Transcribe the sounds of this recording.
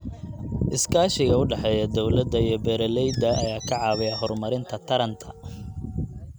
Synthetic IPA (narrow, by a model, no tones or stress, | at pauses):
ʔɪskʰaːʃɪɣɐʊɖɑħɛːjɐd̪ɔwlɐd̪ːɐijɔbɛɾɐlɛjd̪ɐɐjaːkʰɐʕɑːβɪjɐɦɔrmɐɾɪnt̪ʰɐt̪ʰɐɾɐnt̪ʰɐ̥